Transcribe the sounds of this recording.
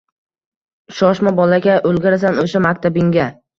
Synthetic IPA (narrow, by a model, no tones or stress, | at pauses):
ʃɒʃmabɒlaɡʲaʔolɡʲaɾasanoʃamakʲt̪ʰabɪŋɡʲa